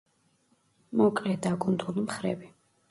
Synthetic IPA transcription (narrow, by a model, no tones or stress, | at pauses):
mɔkʼlɛd̪akʼund̪ulimχɾɛ̰bi